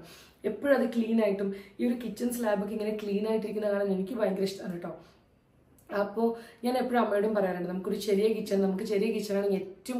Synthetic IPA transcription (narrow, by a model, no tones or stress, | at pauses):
epːoːɻɐðɨklɭiːnaːjiʈːumiːo̞ɾukit͡ɕːɐnslaːbok̬ːɨiŋːɐne̞kɭiːnaːjiʈ̬ːiɾikʲːunːɐkaːɳɐnenikʲːɨʋɐjŋɡɾɐʂt̪ɐnːiʈːoː | ɐpːo̞ːɲaːne̞pːoɻɐmːɐjoɽumpɐrɐjaːɾuɳɖɨnɐmukːo̞ɾuɕɐɾijɐkit͡ɕːɐːnɨnɐmukːɨɕɐɾijɐkit͡ɕːɐɾaːɳietːɐʋu